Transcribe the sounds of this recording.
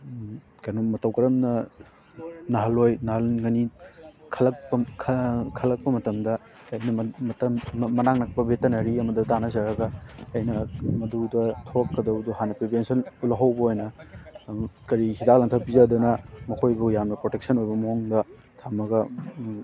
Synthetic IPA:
kanomɐtɐwkɐɾɐmnɐ | nɐɦɐlojnɐhɐlŋɐnikʰɐlɐk̚pɐkʰkʰɐlɐk̚pɐmɐtɐmdɐː | jnɐɐtɐmmɐnaŋnɐk̚pɐbetɐnɐɾiɐmɐdɐtanɐzɐɾɐɡɐɐjnɐmɐdudɐtʰokːɐdɐwduɦanɐpɾebensɐnpulɐɦɐwbɐojnɐ | kɐɾihidak̚laŋtʰɐpizadɐnɐmɐkʰojbujamnɐpɾotek̚sɐnojbɐmɐɦoŋdɐ | tʰamɐɡɐ

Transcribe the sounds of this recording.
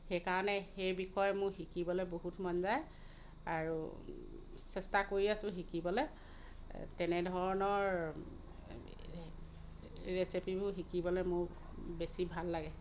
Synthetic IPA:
xekaɹɔnɛxejbixɔjmʊxikibɔlɛboɦutmɔnzaj | aɹṵ | sɛstakoɹiasʊ̃xikibɔlɛ | tɛnɛdʱɔɹɔnɔɹ | ɹesepibʊɦikibɔlɛmʊɹ | besibʱalːaɡɛ

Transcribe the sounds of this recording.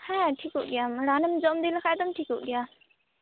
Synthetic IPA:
hɛ̃ʈʰikuʔɡɛjamɾanəmd͡ʒɔmd̪ilakʰajd̪ɔmʈʰikuʔɡɛja

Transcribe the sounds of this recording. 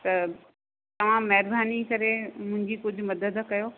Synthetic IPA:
t̪ɐ | t̪ɐʋ̤ãːɐɦɪɾbʱaːnikɐɾemʊ̃ɦɪ̃ɲd͡ʑikʊd͡ʑʱʊ̆mɐd̪əd̪kɐjoː

